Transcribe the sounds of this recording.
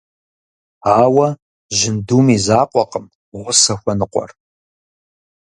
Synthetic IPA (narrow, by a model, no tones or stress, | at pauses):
aːwɐ | ʒɪnduːmiːzaːqʷʼɔqəm | ʁʷʊsɐxʷɔnɨqʷʼɔ̰r